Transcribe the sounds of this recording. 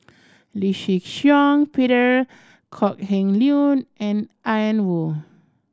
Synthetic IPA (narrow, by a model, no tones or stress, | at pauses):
liʃikʃjɔ̃ŋpiɾəɹ | kʰɔk̚hɛ̃ŋliunʔɛ̃nʔajə̃nwu